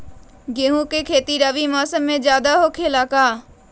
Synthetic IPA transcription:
ɡeːɦũːkekʰeːt̪iɾəʋimaːsəmːẽd͡ʒjaːd̪aɦoːkʰeːlaːkaː

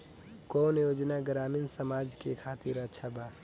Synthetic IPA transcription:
koːnjoːd͡ʒnaɡɾaːminsəmaːd͡ʒkekʰaːt̪ɪɾət͡ʃʰaba

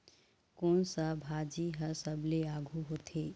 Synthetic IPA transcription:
koːnsabʱaːd͡ʒiɦəɾsəbleaːɡʱuɦoːt̪ʰeː

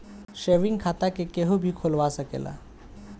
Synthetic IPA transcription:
ɕeʋiŋɡkʰat̪akekeɦubʱiːkʰolʋasəkḛla̰

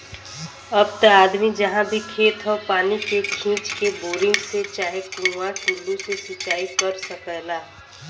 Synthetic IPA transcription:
əb̚t̪əaːd̪mid͡ʒəɦãbʱikʰeːt̪ʰɦɔpaːnikekʰĩːt͡ʃkeboːɾɪ̃ŋɡset͡ʃaːɦekɾuʋaʈuːlusesɪt͡ʃaːikəɾsəkəlaː

